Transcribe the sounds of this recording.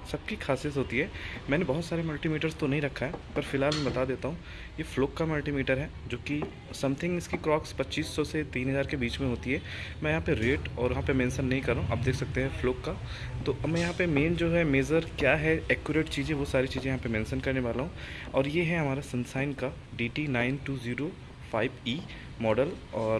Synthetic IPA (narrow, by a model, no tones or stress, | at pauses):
sɐb̚kikʰaːsijət̪ɦoːt̪iɦɛːmɛ̃ːnebɐɦʊt̪saːɾemʊlʈimeːʈəɾzst̪onɐɦĩɾɐkʰːaɦɛpɐɾfɪlɦaːlmɛ̃bɐt̪ad̪eːt̪aɦũ | jefloːkːamʊlʈimeːʈəɾɦɛːd͡ʒoːki | sɐ̃mt̪ʰɪ̃ŋɡɪskikɾɔːkspɐtːt͡ʃiːsːɔset̪iːnɦɐzaːɾkebiːt͡ʃmẽɦoːt̪iɦɛːmɛ̃ːjɐɦãpeɾeːʈɔːɾʋɐɦãpemẽːnsənːɐɦĩkɐɾːaũʔɐ̰b̚d̪eːkʰsɐk̚t̪eɦɛ̃floːkːa | t̪oːʔɐmɛ̃jɐɦãpemeːnd͡ʒoːɦɛmeːzəɾkjaːɦɛɛːkjʊɾeːʈt͡ʃiːzẽʋosaːɾit͡ʃiːzẽjɐɦãpemẽːnsənkɐɾneʋaːlaɦũɔːɾjeɦɛɦɐmaːɾasɐ̃nsaːɪnka | ɖiːʈinaːɪnʈuːziːɾo | faːɪbiː | mɔːɖəlɔːɾ